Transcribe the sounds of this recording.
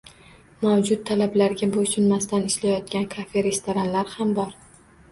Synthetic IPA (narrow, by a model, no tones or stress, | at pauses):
mawd͡ʒʊt̪̚ʰːalablaɾɡʲabosʊnmast̪anɪʃlajɒt̪̚kʲankʰafeɾe̞st̪oɾanlaɾhambɒɾ